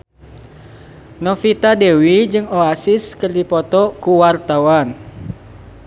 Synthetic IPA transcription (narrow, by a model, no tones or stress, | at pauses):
nɔfit̪adewid͡ʒɨŋoasɪskɨrdipɔt̪ɔkuwart̪awan